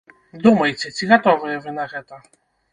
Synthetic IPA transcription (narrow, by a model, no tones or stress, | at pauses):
d̪umɐjt͡s̪ʲɛsʲiɣɐt̪ɔvɨjɛvɪnɐɣɛt̪ɔ